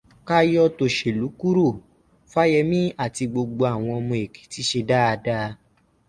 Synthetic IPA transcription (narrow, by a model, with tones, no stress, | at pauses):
ka˦jɔ˧to˨ʃe˨lu˨˦ku˦ɾo˦˨ | fa˦jɛ˧mĩ˦a˦˨ti˧ɡ͡bo˧ɡ͡bo˧a˨w̃ɔ̃˧ɔ˧mɔ̃˧e˨ke̥˨˦ti˦ʃe˧da˦a˧da˦˧